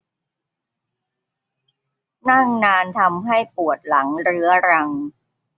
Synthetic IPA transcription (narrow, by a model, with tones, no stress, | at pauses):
na˥˩ŋnaː˧nt̪ʰa˧mɦa˥˩jpu˨˩ət̪̚la˩˦ŋɾɯ˦˥ɐɾa˧ŋ